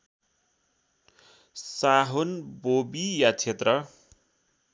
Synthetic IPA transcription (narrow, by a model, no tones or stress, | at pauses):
saɦonbobijat͡ʃʰet̪rʌ